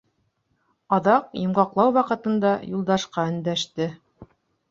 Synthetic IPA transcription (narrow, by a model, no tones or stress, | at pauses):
ɑðɑqjŏmʁɑqlˠɑwwɑqɤ̆t̪ɤ̆nd̪ɑjulˠd̪ɑʃqɑɵ̆nd̪æʃt̪ɘ